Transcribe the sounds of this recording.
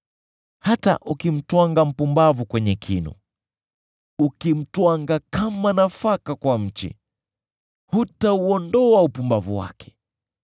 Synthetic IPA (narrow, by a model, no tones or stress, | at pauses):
hata̰ʔukim̩twaŋɡam̩pumbavukwɛɲɛkʰinṵ | ukim̩twaŋɡakamanafakakwam̩t͡ʃḭ | hutauɔndɔaupumbavṵwa̰kɛ̥